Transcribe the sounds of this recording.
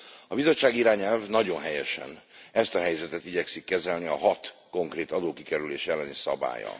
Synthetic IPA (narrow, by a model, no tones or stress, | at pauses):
ɒbizo̞t͡ʃːaːɡiɾaːɲɛlvnɒɟo̞nɦɛjɛʃɛ̰nɛst̪ɒɦɛjzɛt̪ɛt̪iɟɛksikːɛzɛlniɒɦɒt̪ko̞ŋkreːt̪ɒd̪oːkikɛɾyleːʃɛlːɛnisɒ̰ba̰ːjɒ̰